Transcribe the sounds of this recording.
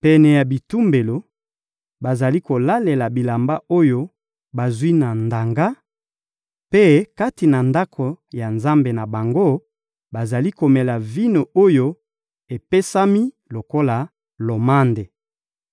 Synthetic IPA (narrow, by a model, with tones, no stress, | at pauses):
pɛ˨nɛ˨ja˨bi˨tu˦mbe˨lo˨ | ba˨za˨li˦ko˨la˦le˨la˨bi˨la˨mba˦ʔo˦jo˦ | ba˨zwi˦na˨nda˨ŋɡa˦ | pe˦ka˦ti˨na˨nda˦kʰo˨ja˨nza˦mbe˨na˨ba˨ŋɡo˦ | ba˨za˨li˦ko˨mɛ˨la˨vi˦no˨o˦jo˦ | e˨pe˦sa˦mi˦ | lo˨ko˦la˨ | lo˨ma˦nde˨